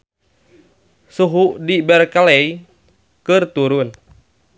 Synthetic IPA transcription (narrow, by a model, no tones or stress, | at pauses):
suɦuʔdibɛrkalɛi | kɨrt̪uɾun